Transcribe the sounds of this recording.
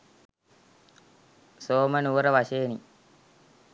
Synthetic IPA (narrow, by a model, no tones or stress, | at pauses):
soːmɐnuʋɾɐʋɐʃeːni